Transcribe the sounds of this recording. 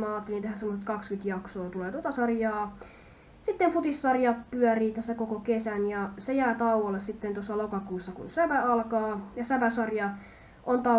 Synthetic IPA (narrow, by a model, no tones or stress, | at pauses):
mæɑːt̪ːelint̪ehænsemoset̪kɑkskyt̪jɑksoːt̪uleːt̪ot̪ɑsɑrjɑː | sit̪ːemfut̪isːɑrjɑppyœriːt̪æsːækokokesænjɑsejæːt̪ɑuwɑlːessit̪ːent̪osːɑlokɑkuːsːɑkṵnsæʋæɑlkɑːjɑsæʋæsɑrjɑ | ʔont̪ɑ